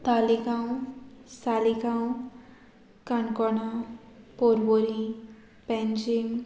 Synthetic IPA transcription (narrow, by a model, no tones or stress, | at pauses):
t̪alikaw̃salikaw̃ | kankɔnapoɾboɾi | pɛnd͡ʒim